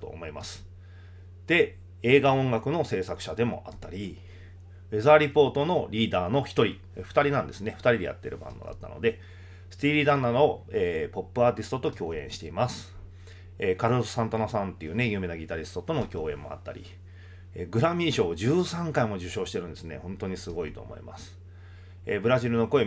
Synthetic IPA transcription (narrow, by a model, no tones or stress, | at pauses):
t̪o̰ːmo̞imasɨ̥ | d̪̥e̞ | e̞ːɡaõ̞ŋɡakɯ̟no̞se̞ːsakɯ̟̥ɕad̪e̞mo̞̰ʔat̪ːaɾʲi | e̞zaːɾʲipo̞ːt̪o̞no̞ɾʲiːd̪aːno̞çi̥t̪o̞ɾʲi | ɸɯ̥t̪aɾʲinãnd̪e̞sɨne̞ɸɯ̟̥t̪aɾʲid̪e̞ja̰t̪ːe̞̰ɾɯ̟bã̰nd̪o̞̰d̪a̰t̪ːa̰no̞̰d̪e̞ | sɨ̥t̪ʲiːɾʲiːd̪ãnːad̪ooeːpo̞pːɯ̟aːt̪ʲisɨ̥t̪o̞t̪o̞kʲo̞ːẽ̞ɰ̃ɕi̥t̪e̞imasɨ̥ | eːkaɾɯssãnt̪onasãnt̪ːe̞jɯ̟ːne̞jɯ̟ːme̞naɡʲit̪aɾʲisɨ̥t̪o̞t̪o̞no̞kʲo̞ːẽ̞̰mːo̞̰a̰t̪ːa̰ɾʲḭ | eɡɯ̟ɾamʲĩːɕo̞ːd͡ʑɨːsãŋkaimo̞ʑɨɕo̞ːɕi̥t̪e̞ɾɯ̟̃nd̪esɨne̞̰hõ̞nt̪o̞ɲ̟isɨɡo̞it̪o̞̰ːmo̞̰ḭma̰sɨ̥ | ebɯ̟ɾaʑiɾɯ̟no̞ko̞e